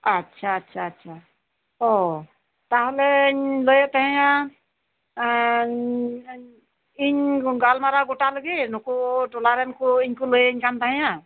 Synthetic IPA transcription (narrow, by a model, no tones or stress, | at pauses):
ətːʃʰaːtːʃʰaːtːʃʰa | ɔ | t̪aɦolɛɲləjet̪aɦɛ̃jã | iɲɡalmaɾaɡoʈaləɡenɔkoʈɔlaɾɛnkuiɲkuləjeiɲkant̪aɦɛ̃ja